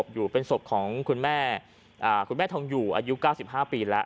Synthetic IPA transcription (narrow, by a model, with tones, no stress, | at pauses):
p̚juː˨˩pe˧nso˨˩p̚kʰɔː˩˦ŋkʰu˧nmɛː˥˩ | ʔaː˨˩kʰu˧nmɛː˥˩t̪ʰɔː˧ŋjuː˨˩ʔa̰ː˧ju˦˥kaː˥˩wsi˨˩p̚ɦaː˥˩piː˧lɛ˦˥ʔ